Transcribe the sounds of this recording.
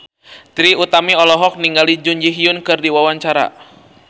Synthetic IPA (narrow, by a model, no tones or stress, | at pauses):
t̪ɾiut̪amiɔlɔɦɔk̚niŋɡalid͡ʒuɲd͡ʒiɦiʊnkɨrdiwawaɲt͡ʃaɾa̰